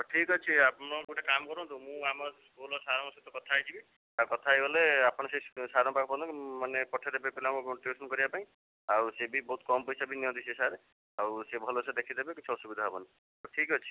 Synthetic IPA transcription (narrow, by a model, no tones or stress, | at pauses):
ʈʰikɦɔt͡ʃʰiapɽ̃ɔ̃uʈekamkɔɾɔ̃nt̪umũamɔɾskulɔsaɾɔŋset̪ɔkɔt̪ʰajt͡ʃʰibi | akɔt̪ʰajbɔleapɔɽ̃ɔsesaɾɔ̃pakʰɔpɔnd̪ɔkimanepɔʈʰed̪ebepelamũkoʈiesɔnkɔɾibapaĩ | awsebibɔɦut̪̚kɔmpɔjsabʱiniɔ̃d̪isesaɾe | awsebʱɔlosʰɔd̪ekʰid̪ebekit͡ʃʰɔɔsubid̪ʱaɦabɔni | ʈʰikɔt͡ʃʰi̥